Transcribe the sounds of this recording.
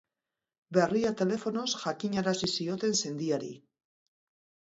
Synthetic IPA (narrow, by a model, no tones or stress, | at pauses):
be̞riat̪e̞le̞fo̞no̞sʝakiɲaɾasisio̞t̪e̞nse̞nd̪iaɾḭ